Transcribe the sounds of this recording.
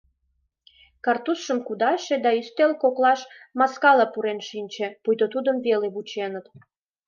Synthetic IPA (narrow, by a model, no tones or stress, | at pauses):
kɑrt̪usʃəmkud̪ɑʃed̪ɑyst̪elkoklɑʃmɑskɑlɑpuɾenʃinʲt͡ɕepujd̪ot̪ud̪əmvelebut͡ɕenət̪